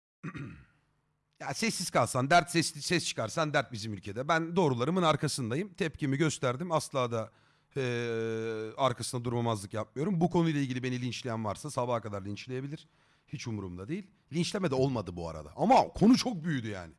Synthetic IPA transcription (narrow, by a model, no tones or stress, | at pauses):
jaːsɛsːizkʰalˠsand̪æɾt̪sɛssɛst͡ʃʰɯ̥kʰaɾsand̪æɾt̪̚bizimylʲcʰe̞d̪ɛbænd̪o̞ːɾulˠaɾɯmɯnaɾkʰasɯnd̪ajɯmt̪ʰɛp̚cimiɟø̞st̪ʰæɾd̪imaslˠaːd̪aː | aɾkʰasɯnad̪uɾmamazlˠɯkjap̚mɯjo̞ɾumbukʰo̞nujlˠailʲɟilʲibe̞nilʲint͡ʃlʲejænvaɾsasabaːkʰad̪aɾlʲint͡ʃlʲejebilʲiɾ̥ | hit͡ʃumɾumd̪ad̪e̞jilʲ | lʲint͡ʃlʲemɛd̪ɛo̞lˠmad̪ɯbua̰ɾa̰d̪a̰ʔamakʰo̞nut͡ʃʰo̞k̚byjyd̪yja̰ːnɪ